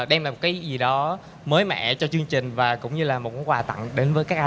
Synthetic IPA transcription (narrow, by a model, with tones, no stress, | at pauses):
ɗɛ˧mlaː˨˩mo˨˩kaː˨˦zi˨˩ɗɔ˨˦ | məː˨˦jmɛ̰˧˨t͡ɕɔ˧t͡ɕɨ˧əŋt͡ɕï˨˩ŋ̟vaː˨˩kʊ̰˧˥wŋ͡mɲɨ˧laː˨˩mo˨˩t̚kːjkwaː˨˩t̪ə̰˧˨ŋɗe˨˦nvəː˨˦jkaː˦˥k̚ʔ